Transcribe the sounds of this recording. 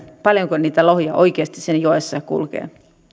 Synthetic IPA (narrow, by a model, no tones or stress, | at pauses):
pɑljoŋkoniːt̪æloɦjɑʔo̞ik̟eɑst̪isenjoesːɑjkṵlkḛː